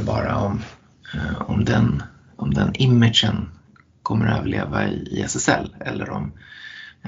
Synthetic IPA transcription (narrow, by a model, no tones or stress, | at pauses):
bɑːɾaɔm | ɔmd̪ɛn | ɔmd̪ɛnɪmːɪd̪ʂən | kʰɔmːəɾøːvəɭeːvaɪːɛsɛsɛlːɛlːəɾɔm